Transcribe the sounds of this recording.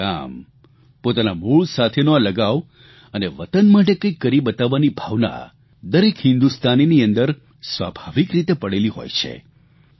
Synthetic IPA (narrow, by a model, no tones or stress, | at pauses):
a̰m | pot̪anamuɭsat̪ʰenoaləɡaʋ | əneʋət̪ənmaʈekə̃kːəɾibət̪aʋːanibʱaʋna̰ | d̪əɾekɦɪ̃nd̪ust̪ʰaniniənd̪əɾ | sʋa̰bʱaʋikɾit̪epəɽeliɦo̰jt͡ʃʰḛ